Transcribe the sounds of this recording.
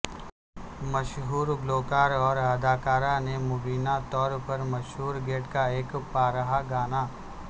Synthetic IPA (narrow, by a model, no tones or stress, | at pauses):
mɐʃɦuːɾɡloːkaːɾɔːɾad̪aːkaːɾanemʊbiːnat̪ɔːɾpɐɾmɐʃɦuːɾɡeːʈkaeːkpaːɾəɦaɡaːnaː